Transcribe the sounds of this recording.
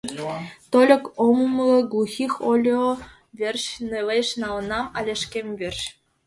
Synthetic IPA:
t̪olʲɤ̆kommlˠɤ̆ɡuxʲixʲolʲo | vʲerʲɕnelʲeʃnɑlɤ̆nɑmɑlʲĕʃkʲemʲvʲerʲɕ

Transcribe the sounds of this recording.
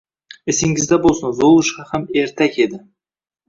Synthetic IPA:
ɪsɪŋɪzd̪abolˠsɑnzolˠʊʃqɑhame̞ɾt̪ʰakʲe̞d̪ɪ

